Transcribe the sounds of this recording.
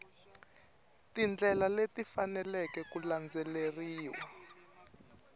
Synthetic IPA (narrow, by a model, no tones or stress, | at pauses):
tind͡ɮɛlaletifanɛlɛkɛkuland͡zɛleriːwa